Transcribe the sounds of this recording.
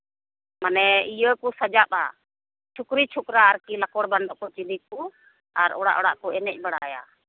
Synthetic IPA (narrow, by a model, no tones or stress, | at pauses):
manɛijəkusad͡ʒapa̰ | t͡ʃʰukɾit͡ʃʰukɾaːɾkilakɔɽbaɳɖɔʔkɔt͡ʃilikːu | aɾɔɽa̰ʔɔɽaʔkɔɛnɛc̚ˀbaɽaja̰